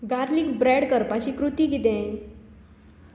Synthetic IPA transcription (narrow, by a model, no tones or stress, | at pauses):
ɡaɾliːkbɾɛɽkəɾpat͡ɕiːkɾut̪iːɡit̪ẽ